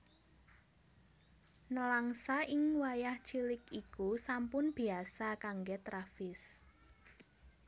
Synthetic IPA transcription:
nəlaŋsaʔɪŋwajaht͡ʃilɪkikusampʊnb̥iasakaŋɡet̪ɾafɪs

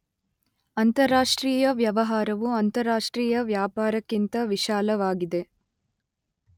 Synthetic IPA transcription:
ɐnt̪ɐɾːaːʂʈɾiːjɐʋjɐʋɐɦaːɾɐʋuɐnt̪ɐɾaːʂʈɾiːjɐʋjaːpaːɾɐkːint̪ɐʋiʃaːlɐʋaːɡid̪e̞

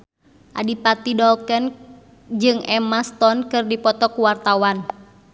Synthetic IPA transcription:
ʔa̰dipat̪idɔlkɛn | d͡ʒɨŋɛmast̪ɔnkɨrdipɔt̪ɔkuwart̪awan

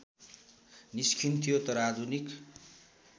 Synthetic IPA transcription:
niskʰint̪ʰijot̪ʌɾad͡z̪ʱunik

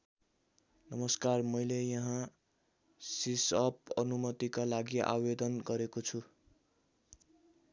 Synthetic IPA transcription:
nʌmʌskarmʌjlejʌɦã | sisʌp̚ʌnumʌt̪ikalaɡiʔa̰wed̪ʌnɡʌɾekot͡sʰu

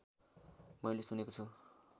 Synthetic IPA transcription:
mʌilesunekot͡sʰu

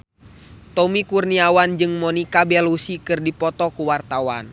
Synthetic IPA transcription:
t̪ɔmikurniawand͡ʒɨŋmɔnikabɛlusikɨrdipɔt̪ɔkuwart̪awa̰n

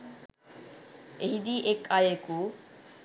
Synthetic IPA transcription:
eɦid̪iʔekajeku

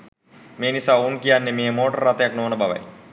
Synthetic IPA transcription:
meːnisaːunkijanːemeːmoːʈərat̪ɐjaknoːnəbʱaʋa̰j

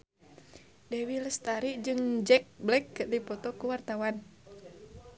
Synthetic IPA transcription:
dɛwiləst̪aɾiʔd͡ʒɨŋd͡ʒɛk̚blɛkːərdipɔt̪ɔkuwart̪awan

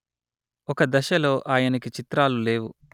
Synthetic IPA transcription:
ɔkɐd̪ɐʃɐlo̞ːʔaːjɐnɐkit͡ʃit̪ɾaːlule̞ːwu

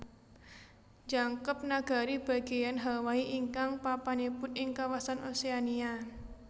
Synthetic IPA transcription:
ɲd͡ʒaŋkəp̚naɡ̥a̤ɾib̥a̤ɡ̥e̤janɦawaiʔiŋkaŋpapanipʊnɪŋkawasanoseania

